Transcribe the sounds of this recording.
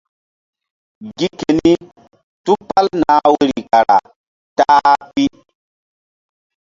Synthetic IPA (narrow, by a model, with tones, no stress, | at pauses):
ɡi˦ke˨ni˦ | tu˦pa˦lna˨˦we˦ɾi˨ka˨ɾa̰˨ | ta˦pi˦